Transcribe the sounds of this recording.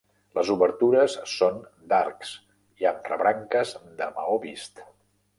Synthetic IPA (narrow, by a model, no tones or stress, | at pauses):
ləzuβəɾt̪uɾəsːon | d̪arks | ianrə̰βɾaŋkəzd̪əmə̰oβist̪